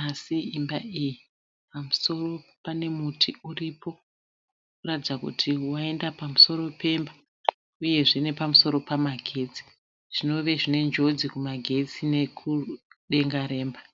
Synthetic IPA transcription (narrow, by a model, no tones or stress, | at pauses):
asiimbaiji | pamuso̞ro̞pane̞mutʰiuripo̞ | kuratid͡zakṵtʰiwae̞ndapamuso̞ɾo̞pe̞mba | uje̞ʐine̞pamuso̞ɾo̞pamaɡʱe̞ːt͡si̥ | ʐ̥ino̞ʋe̞ʐine̞nd͡ʒo̞d͡zikumaɡʱe̞t͡sine̞kʰuɗe̞ŋɡaɾe̞ːmba